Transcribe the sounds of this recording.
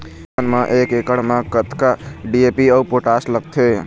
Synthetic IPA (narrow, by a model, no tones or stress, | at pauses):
ənmãʔekekəɽmãkət̪kaɖiepiəwpoʈasləɡ̚t̪ʰe